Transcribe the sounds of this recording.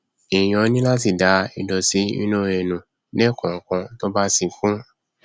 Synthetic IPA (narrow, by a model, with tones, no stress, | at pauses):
i˨j̃ɔ̃˨˧˦nĩ˦la˦ti˨da˨˦i˨˧dɔ˧si˨˦ĩ˦nũ˦˨e˨nũ˨ | nɛ˦˨kɔ̃˨kã˧to˦ba˦sĩ˧˨kũ˦